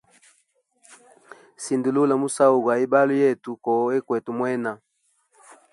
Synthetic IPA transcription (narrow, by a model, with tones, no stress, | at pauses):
si˨ndu˨lu˦la˨mu˦sa˦u˨ɡwa˨i˦ba˦lu˦jɛ˦˨tu˨kɔ˨˦e˦kwɛ˨tu˨mwɛ˦na˨